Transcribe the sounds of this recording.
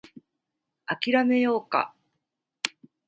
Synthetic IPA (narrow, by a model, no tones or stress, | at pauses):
akʲiɾame̞jo̞ːka̰